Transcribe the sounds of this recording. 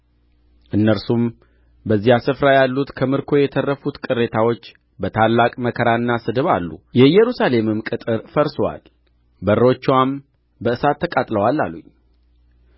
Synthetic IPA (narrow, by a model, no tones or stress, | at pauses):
ʔɨnːəɾsum | bəzːihasɨfɾajalːut̪kʰəmɨɾkʰo̞jɛt̪ʰərːəfut̪kʼɨrːe̞t̪ʰawo̞t͡ʃː | bət̪ʰalːakʼməkʰəɾaɨnːasɨd̪ɨβa̰lːṵjɛjɛɾusale̞mɨmkʼɨt̪ʼɨɾfəɾsowa̰l | bəro̞t͡ʃːwam | bəɨsat̪ːəkʼat̪ʼləwalːa̰luɲː